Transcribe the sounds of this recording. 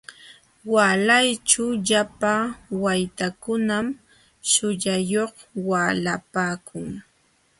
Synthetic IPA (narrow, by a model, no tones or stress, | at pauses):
walajt͡ʃʊʎapawajt̪akʊnam | ʃʊʎajoχ | waːlapaːkʰʊŋ